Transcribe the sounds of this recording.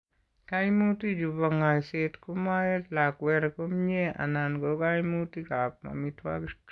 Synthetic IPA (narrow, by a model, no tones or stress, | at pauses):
kajmutid͡ʒubaŋajset̪kumajet̪lakwɛɾkomɲea̰nanɡokajmutikap̚ma̰mit̪wa̰k